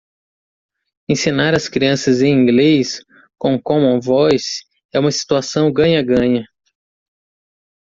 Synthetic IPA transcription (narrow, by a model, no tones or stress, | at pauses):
ẽsinaɾɐskɾiɐ̃sɐzẽĩɡlejs | kõw̃kõmõvɔjs | ɛũmɐsi̥t̪uasɐ̃w̃ɡɐ̃ɲɐɡɐ̃ɲɐ